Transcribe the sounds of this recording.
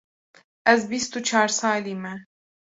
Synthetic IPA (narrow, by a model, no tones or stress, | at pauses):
ʔɛzbist̪ut͡ʃʰaːɾsɑːliːmɛ